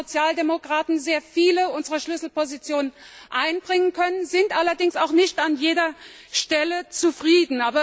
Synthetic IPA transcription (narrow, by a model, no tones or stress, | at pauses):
ot͡sjaːldemokʁ̥aːtn̩zeːɐfiːləʊnzəʁəʃlʏsl̩pozit͡sjoːnən | ʔaɪnbʁɪŋənkʰœnənzɪntʔalɐdɪŋsaʊxnɪçtanjeːdɐ | ʃtɛlət͡sufʁ̥iːdn̩ʔaːbɐ